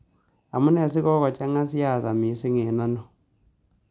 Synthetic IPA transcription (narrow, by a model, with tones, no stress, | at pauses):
a˨mu˦nɛ˨s̬ɪ˦kɔ˦kɔ˨t͡ʃa˦ŋa˦s̬ja˦˨sa˨mi˨sɪ˦ŋe˨na˦nɔ˨